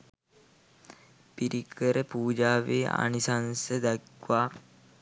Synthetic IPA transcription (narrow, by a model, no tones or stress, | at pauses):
piɾʔikʰəɾəpuːd͡ʒaːʋeːa̰nisansəd̪akʋaː